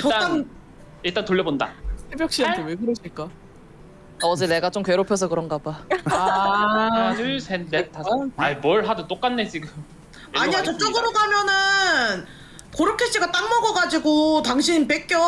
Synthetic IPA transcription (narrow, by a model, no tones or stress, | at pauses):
t͡ɕʌaan | iɭt͈antoʎːʌbonda̰sʰebjʌk̚ɕ͈iateweɡɯɾʌɕʰiɭk͈a | aʌd͡ʑene̞ɡat͡ɕ͈omkwe̞ɾopʰjʌs̬ʰʌkɯɾʌŋɡaba | ɯsʰendetaaibʌɭɦadɯt͈ok͈anːes͈iɡɯ | aɲiat͡ɕʌt͡ɕ͈ʌɡɯɾoɡamjʌnɯn | koɾɯkʰeɕ͈iɡat͈aŋmʌɡʌɡad͡ʑiɡotaŋɕʰinp̬ek͈jʌ